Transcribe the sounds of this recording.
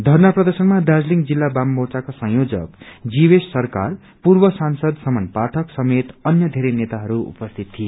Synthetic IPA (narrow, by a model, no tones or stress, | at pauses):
d̪ʱʌrnaprʌd̪ʌrsʌnmad̪ad͡zliŋd͡zilːabambowt͡sakosʌ̃ŋjod͡zʌkd͡zibesːʌrka̰r | purbʌsansʌd̪sʌmʌnpaʈʰʌksʌmet̪ʌnjʌd̪ʱeɾenet̪aɦʌɾuṵpʌst̪ʰit̪t̪ʰːije